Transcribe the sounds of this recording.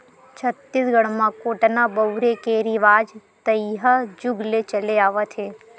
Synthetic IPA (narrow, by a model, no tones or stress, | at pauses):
t͡ʃʰət̪ːisɡʱəɽ̃mãkoʈnabəwɾekeɾiʋaːd͡ʒt̪əjɦəd͡ʒʊɡlet͡ʃəleaːʋat̪ʰe